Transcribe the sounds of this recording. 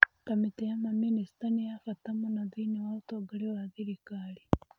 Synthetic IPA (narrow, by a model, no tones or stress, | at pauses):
kamitejamaminisi̥tanijafatamonaðinewaotoɡaɾewaðiɾikali